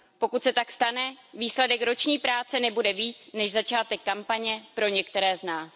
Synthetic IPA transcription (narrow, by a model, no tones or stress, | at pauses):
po̞kut̪sɛt̪akst̪anɛviːslɛdɛkɾo̞t͡ʃɲiːpɾaːt͡sɛnɛbudɛviːt͡snɛʃzat͡ʃaːt̪ɛkːampaɲɛpɾo̞ɲɛkt̪ɛɾɛːznaːs